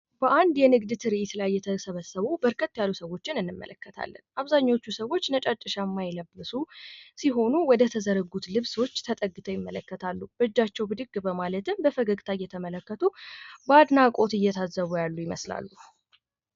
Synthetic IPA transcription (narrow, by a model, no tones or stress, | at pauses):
b̥əʔand̪jɛnɨɡd̪ɨt̪ʰɨɾiʔit̪lajːɛt̪ʰəsəβəsːəβubəɾkʰət̪ːjalːusəwo̞t͡ʃːɪnɨnːɨmːə̰lʔəkːət̪ʰa̰lːə̰nʔaβzaɲːo̞t͡ʃːusəwo̞t͡ʃːnət͡ʃʼat͡ʃʼːɨʃamːajɪləbːɨsusiɦo̞nuwɔd̪ət̪ʰəzəɾəɡut̪lɨβswo̞t͡ʃːt̪ʰət̪ʼəɡːɨt̪ʰəjɪmːələkːət̪ʰalːub̥əd͡ʒːat͡ʃːɛwbɨd̪ɨɡbəmalət̪ɨmbəfəɡəɡʼt̪ʰajːɛt̪ʰəmələkːət̪ʰubad̪nakʼo̞t̪ɨjːɛt̪ʰazːəβujalːujɪməsla̰lːu